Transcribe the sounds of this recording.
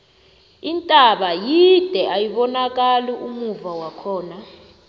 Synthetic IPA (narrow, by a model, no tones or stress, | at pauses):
intʼaɓajid̥ʱɛʔajiɓɔnak̬ʼaliʔumuvawakʰɔːna